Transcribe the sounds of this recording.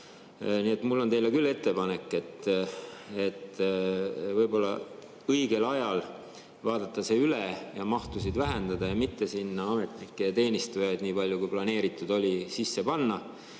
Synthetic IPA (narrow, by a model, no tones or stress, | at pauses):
niːe̞t̪ˑmulːo̞nt̪e̞jlekylːe̞t̪ːe̞pɑne̞kːˑe̞t̪ːˑ | e̞t̪ː | vɤjbo̞lːɑ̰ | ɤjɡ̥e̞lɑjɑl | vɑːd̪̥ɑt̪ˑːɑse̞ːylejɑmɑht̪usid̪væɦe̞nd̪ɑd̪ɑjɑmit̪ːe̞sinːɑɑme̞t̪nikːˑet̪e̞ːnʲist̪ujɑjd̪niːpɑlʲjukujplɑne̞ːɾit̪ːˑud̪o̞lʲisisːe̞pɑnːɑ